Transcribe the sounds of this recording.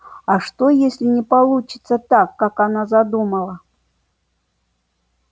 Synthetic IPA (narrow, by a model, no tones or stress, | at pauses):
aʂt̪ojesʲlʲɪnʲɪpɐlˠut͡ɕɪ̥t̪sət̪akːakanazɐd̪uməlˠə